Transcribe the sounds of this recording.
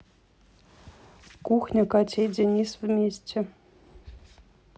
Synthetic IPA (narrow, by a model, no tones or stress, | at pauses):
kuxnʲɤ̆kɑtʲedʲenʲisvʲmʲesʲtʲɘ̆